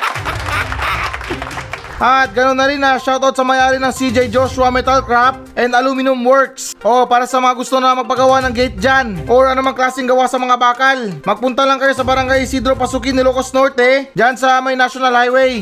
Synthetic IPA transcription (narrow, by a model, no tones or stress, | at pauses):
ʔɐt̪̚ɡɐno̞nːɐɾɪnːɐʃawt̪od̪sɐmɐjʔaːɾɪnɐŋsid͡ʒɛjd͡ʒoʃʊɐmɛt̪alkɾap̚ʔɛnd̪ɐlumɪnʊmwɔɹksʔo̞paːɾɐsɐmɐŋaɡʊst̪onɐmɐɡ̚pɐɡɐwanɐŋɡɛjt̪̚d͡ʒanʔoɹɐnomaŋklaːsɪŋɡɐwasɐmɐŋabaːkɐlmɐɡ̚pʊnt̪alaŋkɐjo̞sɐbɐɾɐŋɡajsid̪ɾopɐsuːkɪnɪlukasno̞ɹt̪ɛd͡ʒansɐmɐjnaʃonalhajwɛj